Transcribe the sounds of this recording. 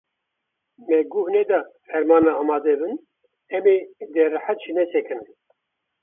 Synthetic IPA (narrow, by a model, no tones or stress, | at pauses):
mɛɡuhnɛd̪ɑhɛɾmɑːnmɛɑːmɑːd̪ɛbɨn | ɛmed̪ɛrɨħæt̪ʒinɛsɛkʰɨn